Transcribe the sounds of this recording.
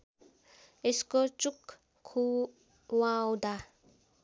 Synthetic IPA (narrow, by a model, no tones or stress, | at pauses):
eskot͡ʃuk | kʰːu | wawd̪a